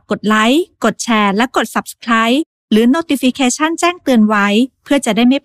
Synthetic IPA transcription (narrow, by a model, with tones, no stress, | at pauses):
ko˨˩t̪̚la˦˥jko˨˩t̪̚t͡ɕʰɛː˧˥lɛ˦˥ko˨˩t̪̚sa˨˩p̚sə̥˧kʰɾaː˦˥j | ɾɯː˩˦noː˧t̪i˧fi˧kʰeː˧t͡ɕʰa˥˩nt͡ɕɛː˥˩ŋt̪ɯ˧ənwa˦˥jpʰɯ˥˩ɐt͡ɕa˨˩ʔdaː˥˩jma˥˩